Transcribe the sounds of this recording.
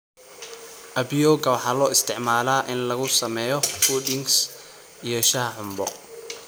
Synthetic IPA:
ʔɐbjɔːɡɐwɑħɑːlɔːɪst̪ʰɪʕmaːlaːʔɪnlɐɣʊsɐmɛːjɔfud̪ɪŋs | ijɛʃɐɦɐʕʊmbɔ̰

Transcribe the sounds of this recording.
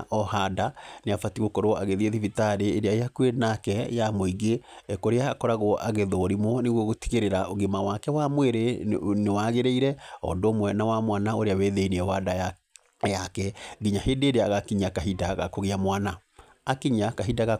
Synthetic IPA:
ʔɔhadaneafatiɣokoɾoaɣeðieðivitaɾeːɾeaeakuenakɛjamoiɡeekoɾeaːkɔɾaɣoʔaɣeðoɾimɔneɣwɔɣoti̥ɣeɾeɾaoɣemawakɛwamweɾenewaɣeɾeiɾɛɔ̰ndoːmwɛnawamwanaoɾeaweðeiniɛwada | jakɛɡiɲaheːndeːɾeaːɣakiɲakaɦidaɣa̰koɣeamwana | akiɲakaɦidaɣa

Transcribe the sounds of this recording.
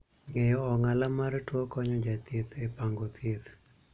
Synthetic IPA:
ŋejɔɔŋalamaɾtwɔkɔɲɔd͡ʒat̪jet̪epaŋɡot̪et̪

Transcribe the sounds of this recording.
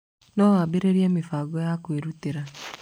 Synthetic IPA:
nɔwabeɾeɾieːmifaːɡɔjakweɾuteɾa

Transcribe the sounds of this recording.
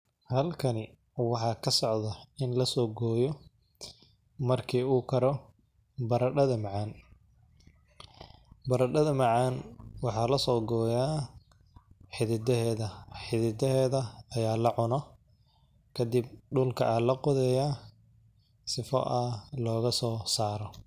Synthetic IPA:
hɐlkʰɐnɪ | wɑħɑːkʰɐsɔʕðɐɪnlɐsɔːɡɔːjɔ | mɐrkʰiːuːkʰɐɾɔ | bɐɾɐɖɐðɐmɐʕɑn | bɐɾɐɖɐðɐmɑʕɑnwɑħɑːlɐsɔːɡɔːjaː | ħɪðɪd̪ɛɦɛːðɐħɪðɪd̪ɛɦɛːðɐɐjaːlɐʕʊnɔ | kʰɐd̪ɪb̚ɖʊlkʰɐʔaːlɐqʊðɛjaː | sɪfɔ̰ʔɐlɔːɣɐsɔːsaːɾɔ

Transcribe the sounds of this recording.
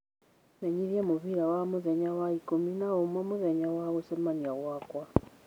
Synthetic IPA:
naɲiɾjɛmuβiɾawamuðɛɲawaikominaumwɔmuðɛɲawaɣusɛmaɲaɣwakwa

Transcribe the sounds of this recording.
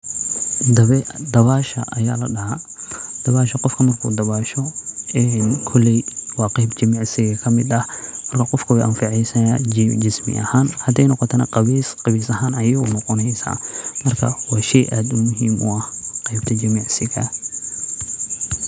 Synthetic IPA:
d̪d̪ɐβaːʃɐ̰ʔɐja̰ːlɐɖɐhɐd̪̥ɐβaːʃɐqɔfkʰɐmɐrkʰṵːd̪ɐβaːʃɔɛːnkʰɔlɛjwɑːqɑjbt͡ʃɐmiʕsɪɣɐkʰɐmɪd̪ɐhmɐrkʰɐqɔfkʰɐwɛjʔɐ̰nfɪʕɛjsɐa̰d͡ʒɪsmɪ̰ʔɐ̰haːnhɐd̪ɛjnɔqɔt̪ʰɐnɐ̰qɑβiːsqɑβiːsɐɦaːnɐjɐʊnɔqɔnɛjsa̰ːmɐrkʰɐ̰wɑːʃɛjʔaːd̪ʊmʊɦiːmʔʊɐhqɑjbt̪ʰɐd͡ʒɐmiːʕsɪɣɐ̰

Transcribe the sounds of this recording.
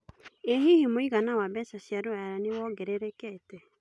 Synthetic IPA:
eɦihimoiɣanawabɛsasjaɾoajaɾanewɔɡɛɾeɾekɛːtɛ

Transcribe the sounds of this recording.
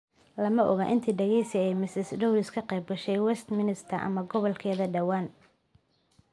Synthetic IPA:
lɐmɐʔɔɣaːʔɪnt̪ʰiːɖɐɣɛjsɪɛjmɪsɪsɖɔwlɪskʰɐqɛjb̚ɡɐʃɛjwɛst̪mɪnɪst̪ʰɐrʔɐ̰mɐɡɔβɔlkʰɛːðɐɖɐwaːn

